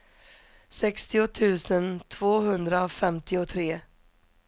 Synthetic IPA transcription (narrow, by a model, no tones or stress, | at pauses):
sɛkst̪ɪʊt̪ʰʉ̟ːsənt̪ʰvoːɦɵnd̪ɾaɔfɛmt̪ɪɔt̪ʰɾeː